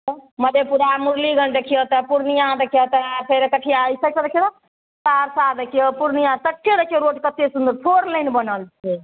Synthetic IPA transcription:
məd̪ʱepuɾamuɾliɡʱəɳʈəkʰijɔt̪əpuɾnijãɾəkʰijɔt̪əpʰeɾkəʈʰijajsəkʰəɾəkʰet̪a | t͡ʃaɾsaɾəkʰijɔpuɾnijãt̪əʈʰːeɾəkʰijeɾoʈkət̪ːesund̪əɾt̪ʰoɾlənbənəlt͡ʃʰe

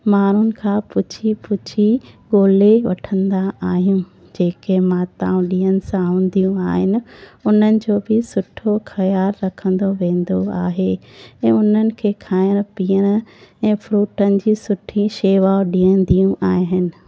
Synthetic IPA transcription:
maːɾ̤ʊnɪ̆kʰãːpʊt͡ɕʰipʊt͡ɕʰiɠoːleʋɐʈʰə̃nd̪aːɦijũ | d͡ʑeːkemãt̪a̰ːũɗiːənɪ̆sãũːnd̪ijũaːɦɪnɪ̆ʊn̤ənɪ̆d͡ʑoːbɪsʊʈʰoxɐjaːlːɐkʰə̃nd̪oʋẽːnd̪oaːɦeɛ̃ːʊn̤ənɪ̆kʰeːkʰaːɪəɽ̃piːəɽ̃̆ɛ̃ːfɾuːʈənɪ̆d͡ʑiːsʊʈʰiʃeːʋaːoɗiːə̃nd̪ijũʔaːɦɪnɪ̆

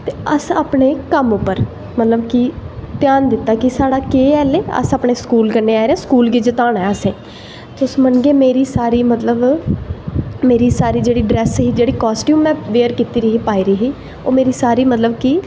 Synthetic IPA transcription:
t̪eːəsaːpɳeːkəmʊpːəɾ | mət̪ləbkɪt̪ɪjaːnd̪ɪt̪ːaːkɪsaːɽaːkeːɛːleːə̰saːpɳeːskuːlkənːeːaːeɾɛ̃ːskuːlɡɪd͡ʒət̪aːnɛəsẽː | t̪ʊsmənɡeːmeːɾiːsaːɾiːmət̪ləb | meːɾiːsaːɾiːd͡ʒeːɽiːɖɾɛːsɦiːd͡ʒeːɽiːkɔːsʈjũːmːɛ̃ːʋeːəɾkiːt̪iːɾiːɦiːpaːiːɾiːɦiː | o̰ːmeːɾiːsaːɾiːmət̪ləbki

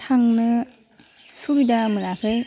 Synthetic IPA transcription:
tʰaŋnɯ | subidamɯnakʰɯj

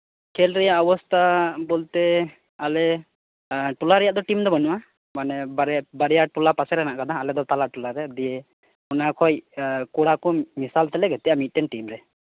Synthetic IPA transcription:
kʰɛlɾɛjaʔɔbɔst̪ʰabɔlt̪ɛ | alɛ | ʈulaɾɛjaʔd̪ɔʈimd̪ɔbanuʔa | manɛbaɾbaɾɛjaʈulapasɛɾɛnaʔkad̪aalɛd̪ɔt̪alaʈulaɾɛd̪ije | unakʰɔjkuɽakɔmisalt̪ɛlɛɡɛt̪ɛjaʔmit̪̚ˀʈɛnʈimɾɛ

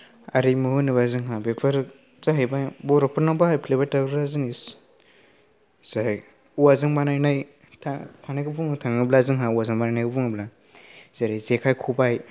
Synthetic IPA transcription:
aɾimɯɦɯnɯβazɯŋɦabepʰɯɾ | zaɦajbabɔɾɔpʰɯɾnawbahajpʰilebataɡɾɯɾazɯŋis | zaj | uwazɯŋbanajnaj | tʰatʰanajɡɯpuŋtʰaŋiblazɯŋɦauwazɯŋbanajnajɡɯpuŋibla | z̥aɾizekʰajkʰubaj

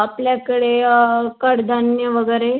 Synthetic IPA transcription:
apljakəɽekəɽd̪ʱanjəʋəɡəɾe

